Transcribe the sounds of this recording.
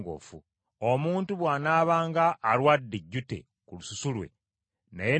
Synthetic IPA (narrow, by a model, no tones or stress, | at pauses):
ɡo̰fu | omuːntuβwaːnaːβaːŋɡaʔːlwadːeɟːute̞̰ | kulususulwe̞̰ | naje